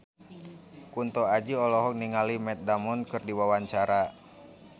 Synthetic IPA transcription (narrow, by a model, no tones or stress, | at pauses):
kunt̪ɔad͡ʒiɔlɔɦɔk̚niŋalimɛt̪̚damɔnkɨrdiwawaɲt͡ʃaɾa